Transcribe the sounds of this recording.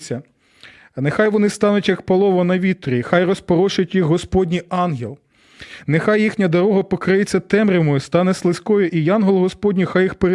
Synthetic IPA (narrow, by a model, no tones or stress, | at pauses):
t͡sʲːɐ | nexɑjʋɔnɪst̪ɑnʊtʲjɐkpɐlˠɔʋɔnɐʋʲit̪ɾʲixɑjrɔspɔɾɔʃʊtʲjiɣɦɔspɔdʲnʲijɑnɦʲelˠ | nexɑjːixnʲɐd̪ɐɾɔɦɐpɔkɾɪjet͡sʲːɐt̪ɛmɾʲɪmɔjʊst̪ɑnɛslˠɪsʲkɔjʊʔijɑnɦɔlˠɦɔspɔdʲnʲixɑjixpeɾ